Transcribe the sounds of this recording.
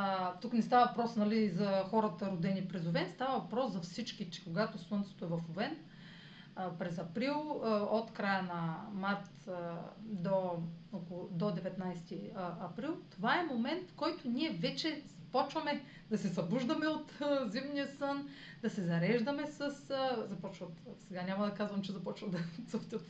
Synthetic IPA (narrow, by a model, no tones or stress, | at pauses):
t̪uknɛst̪avɐvɐpɾɔsnɐlizɐxɔɾɐt̪əɾod̪ɛnipɾɛzovɛnst̪avɐvɐpɾɔszɐfsit͡ʃkit͡ʃɛ̥koɡat̪osˠənt̪so̥t̪oɛvɐfovɛn | pɾɛzɐpɾilˠot̪kɾajənɐmaɾt̪ | d̪ookod̪od̪ɛvɛt̪najst̪iɐpɾilˠt̪ovaɛmomɛnt̪fkɔjt̪onʲiɛvɛt͡ʃɛz̥ɐpɔt͡ʃvɐmɛ | d̪ɐsɛzɐbuʒd̪ɐmɛot̪zimnijəsɤn | d̪ɐsɛzɐɾɛʒd̪ɐmɛsəszɐpɔt͡ʃvɐt̪sɛɡanʲamɐd̪ɐkazvɐmt͡ʃɛzɐpɔt͡ʃvɐd̪ɐt̪səft̪ət̪